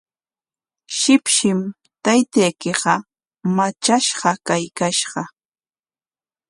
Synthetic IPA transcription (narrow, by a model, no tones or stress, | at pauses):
ʃɪpʃɪm | t̪ajt̪ajkɪɢɑ | mat͡ʃaʃɢɑkajkaʃɢɑ